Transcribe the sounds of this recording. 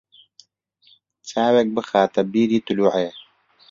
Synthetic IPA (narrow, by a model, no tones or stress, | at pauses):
t͡saːweːk̚bɨxaːt̪ɐbiːɾiːt̪ʊluːʕeː